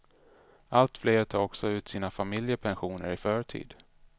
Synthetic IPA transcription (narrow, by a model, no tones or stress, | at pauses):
ʔalt̪fleːɾt̪ʰɑːɔksɔʉ̟ːt̪siːnafamɪljəpʰɛnɧuːnə̰ɾɪfœːɾʈʰḭːd̪